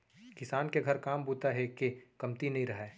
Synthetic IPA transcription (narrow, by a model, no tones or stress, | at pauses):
kɪsaːnkeɡʱɐɾkaːmbuːt̪aɦɛkekɐmt̪inɐɦĩɾɐɦɛː